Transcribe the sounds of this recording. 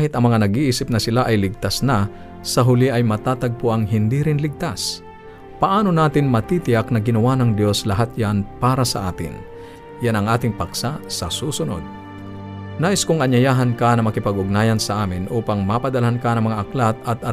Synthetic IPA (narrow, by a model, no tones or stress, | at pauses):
ahɪt̪ɐŋmɐŋanɐɡʔiʔiːsɪp̚nɐsɪlaʔɐjlɪɡ̚t̪asna | sɐɦʊlɪʔɐjmɐt̪aːt̪ɐɡ̚pʊʔɐŋɦɪnd̪iɾɪnlɪɡ̚t̪as | pɐʔaːno̞naːt̪ɪnmɐt̪iːt̪ɪjak̚nɐɡɪnɐwanɐŋd̪jo̞slɐɦat̪̚janpaːɾɐsɐ̰ʔaːt̪ɪ̰n | janɐŋʔaːt̪ɪŋpɐksasɐsuːsʊno̰d̪̚ | naːʔɪskʊŋʔɐɲːɐjaːɦɐnkanɐmɐkɪpɐɡʊɡ̚naːjɐnsɐʔaːmɪnʔuːpaŋmapɐd̪ɐlɐɦankanɐŋmɐŋaʔːklat̪ɐt̪̚ʔɐ